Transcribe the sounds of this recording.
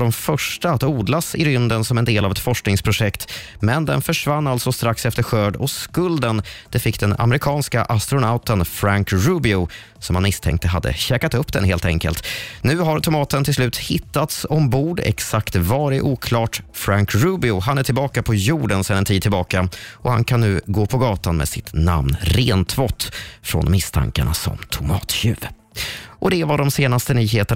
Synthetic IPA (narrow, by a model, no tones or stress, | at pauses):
dɔmfœʂʈaat̪uːd̪lasɪɾʏnd̪ənsɔmɛnd̪eːlavɛt̪fɔʂknɪŋspʰɾʊʂɛkt̪ | mɛnd̪ɛnfœʂvanːalt̪sɔst̪ɾaksɛft̪əɾɧøːɖɔskɵld̪ənd̪̥ɛfɪkːd̪ɛna̰mɛɾɪkʰɑːnska̰ʔast̪ɾʊnaʊt̪ənfɾaŋkɾʉːbɪʊ | sɔmhanmɪst̪ʰɛ̰ŋkt̪əɦa̰d̪ːə̰ɕɛːkat̪ɵpːd̪ɛnɦeːlt̪ɛ̰ŋkə̰lt̪nʉ̟ːɦaɾt̪ʰʊmɑːt̪ənt̪ʰɪlslʉ̟ːt̪hɪt̪ːat̪sɔmbuːɖɛ̰ksakt̪vɑːɾɪʔuːkʰlɑːʈfɾaŋkɾʉbɪʊɦanæʈʰɪlbɑːkapʰɔjuːɖənsɛnɛnt̪ʰiːd̪̚tʰːɪlbɑːkaʔɔha̰nkʰanːʉ̟ːɡoːpʰɔɡɑːt̪anmɛ̰sɪt̪na̰mnɾeːnt̪ʰvɔt̪ːfɾɔ̰nmɪst̪ʰa̰ŋka̰ɳa̰sɔ̰mt̪ʰʊmɑːt̪ɕʉ̟ːv | ʔɔd̪ɛvaɖɔmseːnast̪ənyːɦeːt̪ə